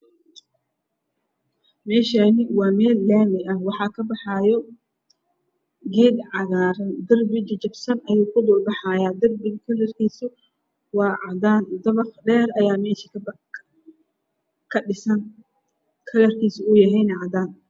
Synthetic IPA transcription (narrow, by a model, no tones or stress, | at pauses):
mɛːʃɐnɪwɑːmɛːlːɛːmɪɐhwɑħɑːkʰɐbɑħɑːjɔ | ɡɛːd̪ʕɑɣaːɾɐnd̪ɐrbɪt͡ʃt͡ʃɐbsɐnʔɐjuːkʰʊd̪ʊːrbɑħɑːjaːd̪ɐrbɪkʰɐlɐrkʰiːsʊ | wɑːʕɑd̪aːnd̪ɐβɑχɖɛːrɐjaːmɛːʃɪ | kʰɐɖɪsɐn | kʰɐlɐrkʰiːsʊʊjɐɦɛjnɛʕɑd̪aːn